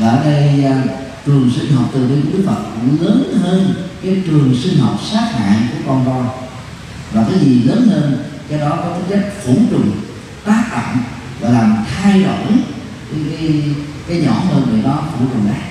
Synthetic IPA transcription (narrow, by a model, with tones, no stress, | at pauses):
aː˨˧˩ɗə˧j | t͡ɕɨ˨˩əŋsi˧ŋ̟ɦɔ˨˩p̚t̪ɨ˨˩və˨˦ɗu˦˥k̚fə˨˩t̚ləː˨˦nɦəː˧nkaː˨˦jt͡ɕɨ˨˩əŋsï˧ŋ̟ɦə˨˩wp̚saː˦˥t̚ha̰ː˧˨nku˧˩əkɔ˧nt̪ɔ˧j | vaː˨˩t̪ʰaː˨˦jzi˨˩ləː˨˦nhəː˧nkɛ˧wɗɔ˨˦kɔ˨˦t̪ʰi˨˦nt͡ɕə˦˥k̟̚fu˧˩˦t͡ɕʊ˨˩ŋ͡m | t̪aː˦˥k̚ɗa̰ː˧˨m | vaː˨˩laː˨˩mt̪ʰaː˧jɗo̰˧˨j | ka˨˦kaː˨˦j | kaː˨˦jɲɔ̰˧˩˦həː˧nɗe˨˩ɗɔ˨˦t̪ʰːkʊ˨˩ŋ͡mʔaː˨˦˥